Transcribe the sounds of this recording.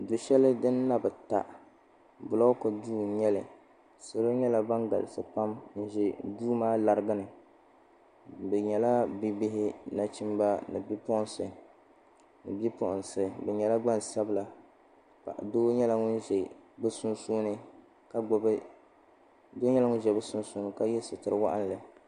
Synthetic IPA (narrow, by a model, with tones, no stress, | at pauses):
dʊ˨ʃɛ˦lɨ˦dɨ˦nː˦a˦bɨ˨ta̰˨ʔ | bʊ˨la˦kʊ˨duː˦˨ɲɛ˦lɨ˨ | sɨ˨ɾɨ˦ɲɛ˦la˨ba˦ŋɡa̰˨lɪ˨sɨ˨pa˦mn̩˦ʒɛ˨duː˦maː˦la˨ɾɨ˦ɡɨ˦nɨ˨ | bɛ˨ɲɛ˨la˦bi˦bɪ˦ɦɪ˦na˨t͡ʃi˦mba˦nɨ̰˨bi˦pɔ˦ʔnsɨ˨ | nɨ˨bi˦pʊ˦˨ʔʊ˨n˨sɨ˨bɛ˨ɲɛ˨la˦ɡ͡ba˦n˨sa˦bɨ˦la˨ | pa̰˨ʔdoː˦ɲɛ˦la˨ŋʊ˦n̩˦ʒɛ˨bɨ˦sʊ˦n˦su˦nɨ˦ | ka˦ɡ͡bɔ˨˦b | doː˦ɲɛ˦la˦ŋʊ˦ʒɛ˨bɨ˦sʊ˦n˦su˦nɨ˨ka˦jɛ˦sɨ˨tɨ˨ɾɨ˦wa̰˦ʔa˦n˦lɨ˨